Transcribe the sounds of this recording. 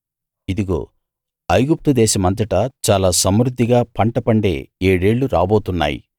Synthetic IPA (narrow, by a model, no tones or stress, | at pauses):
id̪iɡo̰ː | ɐjɡup̚t̪ud̪ɛːʃɐmɐnt̪̬ɐʈɐt͡ʃaːlaːsɐmɾud̪ːiɡaːpʰɐɳʈɐpɐɳɖe̞̰ːeːɽe̞ːɭːuɾa̰ːbo̞ːt̪unːa̰ːjḭ